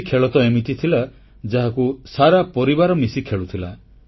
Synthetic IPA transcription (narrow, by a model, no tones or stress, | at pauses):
kʰeɭɔt̪ɔemit̪it̪ʰila | d͡ʒaɦakusaɾapɔɾibaɾɔmisikʰeɭut̪ʰila